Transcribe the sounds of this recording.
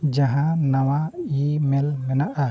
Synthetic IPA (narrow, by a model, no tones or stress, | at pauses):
d͡ʒaɦãnawaimɛlmɛnaʔa